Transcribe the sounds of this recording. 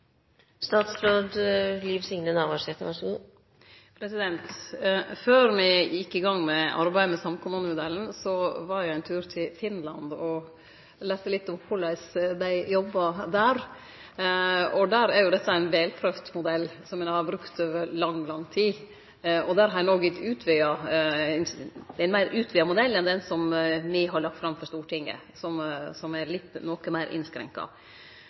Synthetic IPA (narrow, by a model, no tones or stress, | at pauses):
st̪ɑːt̪sfɾoːd̪liːʋsɪŋnənɑʋɑʂɛt̪ənɑʂn | pʰɾɛsɪd̪ɛnt̪føːɾmɪɪjɪkːɪɡɑŋːmɛɑ̰ɾbæɪəmɛsɑmkʰʊmʉnʊmʊd̪ɛlːn̩sɔʋɑɾjæɪæɪnt̪ʰʉːɾt̪ʰɪlfɪnlɑ̰nd̪ɔ | lɛːst̪əlɪt̪ːɔmhʰʊlæsd̪æɪjɔbːɑd̪æːɾ | ɔd̪æɾæɾjʊd̪ɛt̪ːəæɪnʋɛːlpʰɾøʋt̪mʊd̪ɛlːsɔmɛnɑɾbɾʉkt̪øːʋəɾlɑŋːlɑŋːt̪ʰiː | ɔd̪æɾɦɑɾjænoɡɪt̪ʉːt̪ʰʋɪɑnæɪnmæɪɾʔʉːt̪ʰʋɪɑmʊd̪ɛlːɛnd̪ɛnsɔmmɪɦɑɭɑk̚t̪fɾɑmfɔɾʂt̪uːʈɪŋːə̰ | sɔmsɔmæɾlɪt̪ːnɔkəmæɪɾʔɪ̰nskɾɛ̰ŋkɑ̰